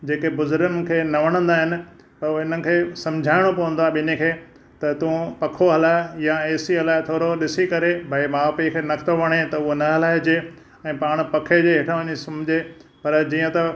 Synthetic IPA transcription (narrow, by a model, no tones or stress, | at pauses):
d͡ʑeːkebʊzʊɾɡənɪ̆kʰeːnɐʋɐɽ̃ə̃nd̪aːɦɪnɪ̆ | pɐɾɪn̤ənɪ̆kʰeːsɐ̃md͡ʑʱaːɪɽ̃opɐʋə̃nd̪oaɓɪnekʰeː | t̪ɐt̪ũpɐkʰoɦɐlaːjaeːsiɦɐlaːɪt̪ʰoːɾoɗɪsikɐɾebʱaimaːpikʰeːnɐkʰt̪oʋɐɽ̃et̪ɐʊɦonɐɦɐlaːɪd͡ʑe | ɛ̃ːpaːɽ̃̆pɐkʰed͡ʑeːɦɪʈʰãʋɐɲisɐmd͡ʑʱepɐɾd͡ʑiːə̃t̪ɐ